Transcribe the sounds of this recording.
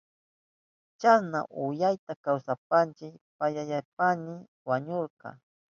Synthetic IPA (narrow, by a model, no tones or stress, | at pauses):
t͡ʃasna̰ʔʊjajt̪akawsapant͡ʃɪkpajajapanɪ | waɲoɾqɑ̰